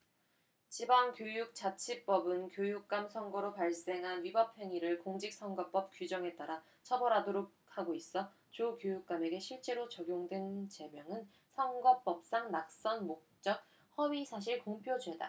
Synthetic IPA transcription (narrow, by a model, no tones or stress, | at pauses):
t͡ɕibankjojuk̚t͡ɕ͈at͡ɕʰip͈ʌbɯnkjojuk̚k͈amsʰʌŋɡʌɾopaɭs͈e̞ŋɦanɥibʌpʰhe̞ŋiɾɯɭkoŋd͡ʑik̚s͈ʰʌŋɡʌp͈ʌp̚k͈jud͡ʑʌŋɦe̞t͈aɾa | t͡ɕʰʌbʌɾadoɾok̚ | hʰaɡois͈ʌ | t͡ɕokjojuk̚k͈ame̞ɡe̞ɕʰiɭt͡ɕ͈e̞ɾot͡ɕʌɡjoŋdwe̞nt͡ɕe̞mjʌŋɯn | sʰʌŋɡʌp͈ʌp̚s͈aŋnak̚s͈ʌnmok̚t͡ɕ͈ʌk̚ | hʌɥisʰaɕ̬ʰiɭkoŋpʰjod͡ʑueda̰